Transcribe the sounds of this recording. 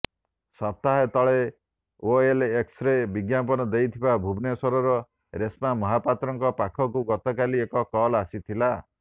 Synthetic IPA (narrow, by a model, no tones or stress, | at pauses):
sɔp̚t̪aɦet̪ɔɭe | oelːksɾebiɡjapɔnɔd̪ejt̪ʰibabʱubnesɔɾɔɾɔ | ɾesmamɔɦapat̪ɾɔŋkɔpakʰɔkuɡɔt̪ɔkaliekɔkɔlasit̪ʰila